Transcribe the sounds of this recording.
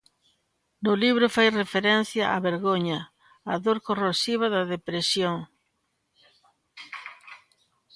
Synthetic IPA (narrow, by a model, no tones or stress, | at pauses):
nʊliβɾʊfajrefeɾɛn̟θjɐʔa̰βeɾɣoɲɐ | aðoɾkorosiβ̞ɐðɐðepɾesjoŋ